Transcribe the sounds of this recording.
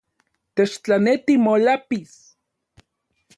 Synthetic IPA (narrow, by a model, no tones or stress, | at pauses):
t̪et͡ʃt͡ɬanet̪imolapis